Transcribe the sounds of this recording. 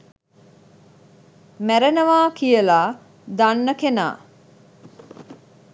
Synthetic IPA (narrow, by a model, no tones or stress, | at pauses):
mæɾenəʋaːkijəlaː | d̪anːəkena̰ː